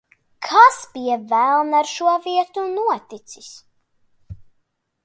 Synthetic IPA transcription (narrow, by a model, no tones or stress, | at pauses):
kʰasbijɛvælˠnaɾʃuɔviɛt̪unuɔt̪it̪sis